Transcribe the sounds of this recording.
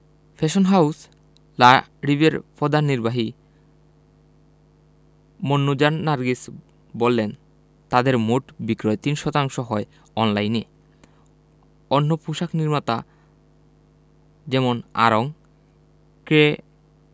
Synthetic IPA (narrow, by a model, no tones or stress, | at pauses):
pʰeʃonɦaus | laɾibeɾpɔd̪aniɾbaɦi | monːud͡ʑanːaɾɡis | bolːen | t̪ad̪eɾmoʈbikɾɔet̪inʃɔt̪aŋʃoɦɔe | ɔnlajne | ɔnːopuʃakniɾmat̪a | d͡ʑɛmona̰ɾoŋ | kɾe